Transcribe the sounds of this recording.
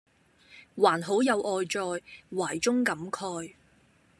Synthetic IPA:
waː˨˩nɦo˨˥wjɐ˨˧wʔɔː˧jt͡ʃɔː˧jwaː˨˩jt͡sʊ˥ŋkɐ˨˥mkʰɔː˧j

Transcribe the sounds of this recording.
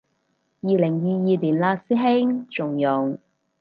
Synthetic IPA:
jiː˨lɪ˨˩ŋjiː˨jiː˨˧liː˨˩nlaː˧siː˥ɦɪ˥ŋt͡ʃʊ˨˩ŋjʊ˨˩ŋ

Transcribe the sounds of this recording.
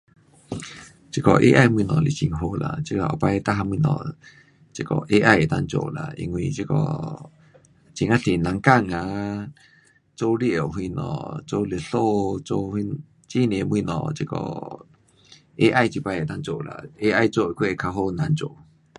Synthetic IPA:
t͡ɕi˧kɔ˧˨ʔḛ˧˦ʔa˥˧˨jmwĩ˧nɔ̃˨li˨t͡ɕi˧˨ŋɦo˧la̰˨t͡ɕi˧la˨ɔ˨˩pa˧jt̪a˦˧ɦa˧mwĩ˧nɔ̰̃˨ | t͡ɕi˧kɔ̰˧˨ʔe˧ʔa˧je˨t̪a˧ŋt͡ɕo̰˧˨la̰˨ʔḭ˧ŋwi˧t͡ɕi˧kɔ̰˧ | t͡ɕi˧˦ŋa˧ɬi˨na˨˦ŋka˥˧˨ŋa˧ | t͡so˦li˦˧˨o˨ɦwi˧nɔ̰̃˨˩t͡so˦le˨˩ɬo˥˧t͡so˧˦hi˧ | t͡ɕi˦˨˧nẽ˨˦mwĩ˧˨nɔ̰̃˨t͡ɕi˧kɔ̰˧˨ | e˦ʔa˥˧jt͡ɕi˧pa˧je˨t̪a˧ŋt͡so˧˨la̰˨e˦ʔa˧jt͡so˧˨˧kʰwe˦˧˨kʰa˧ɦo˧˨na˨˦nt͡ɕo˧˨

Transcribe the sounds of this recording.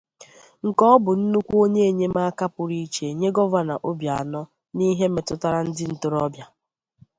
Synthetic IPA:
ŋ̩˨kɔ˦bʊ˨n̩˦nu˦kʷu˦o˦ɲe˦e˨ɲe˦ma˦a˦ka˦pʊ˨ɾi˦t͡ʃe˨e˨ɲe˦ɡɔ˦va˦na̰˨ʔo˦bja˨a˨nɔ˦ | ni˦ɦe˦me˨tʊ˦ta˦ɾa˦n̩˦dɪ˦n̩˨tʊ˦ɾɔ˦bja˦

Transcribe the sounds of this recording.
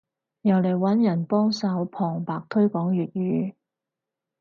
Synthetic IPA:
jɐ˨˩wle˨˩jwɐ˨˥njɐ˨˩npɔː˥ŋsɐ˨˥wpʰɔː˨˩ŋpaː˨k̚t̪ʰɵ˥ɥkɔː˨˥ŋjyː˨t̚jyː˨˥

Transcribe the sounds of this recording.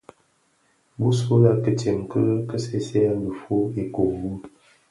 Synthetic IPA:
bu˦so˦la˦kə˦te˨mkə˦kə˦se˦sɛ˦a˦lə˨fo˦e˨ko˨bu˦

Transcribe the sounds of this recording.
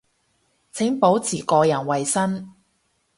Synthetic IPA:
t͡sʰɪ˨˥ŋpo˨˥wt͡sʰiː˨˩kɔː˧jɐ˨˩nwɐ˨jsɐ˥n

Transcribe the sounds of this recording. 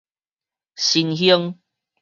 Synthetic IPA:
ɕi˧nhjə˦ŋ

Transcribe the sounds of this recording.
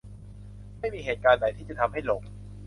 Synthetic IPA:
ma˥˩jmiː˧ɦeː˨˩t̪̚kaː˧nda˨˩˦jt̪ʰiː˥˩t͡ɕa˨t̪ʰmha˥˩jlo˨˩˦ŋ

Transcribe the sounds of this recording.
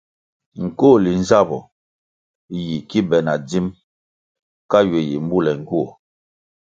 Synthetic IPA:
ŋ̩˨ko˦˨li˨n˦za˦˨bɔ˨ | ji˨ki˦bɛ˨na˨di˦m | ka˦ɥe˨ji˨m˦bu˦lɛ˨ŋ̩˨ɡu˦ɔ˨

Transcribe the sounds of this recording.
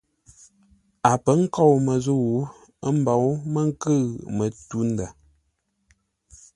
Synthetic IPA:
a˨pə˨˦ŋ̩˦kɔ˦˨wmə˨zu˦˨wu˨˦ | ə˦m̩˦ba˨˦wmə˦ŋ̩˦kə˦˨mə˨tu˦n̩˦da˨

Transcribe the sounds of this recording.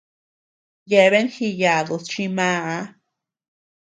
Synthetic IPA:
je˧˨βe˦nxi˧ja˨ðo˨st͡ʃi˧mã˦a˧

